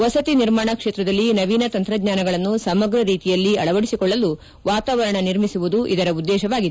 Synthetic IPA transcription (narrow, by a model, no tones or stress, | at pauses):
ʋɐsɐt̪iniɾmaːɳɐkʂe̞ːt̪ɾɐd̪ɐlːinɐʋiːnɐt̪ɐnt̪ɾɐɡɲaːnɐɡɐɭɐnːusɐmɐɡɾɐɾiːt̪ijɐlːiɐɭɐʋɐɽisikɔɭːɐlːu | ʋaːt̪aːʋɐɾɐɳɐniɾmisuʋud̪uʔid̪ɐɾɐud̪ːɛːʃɐʋaːɡid̪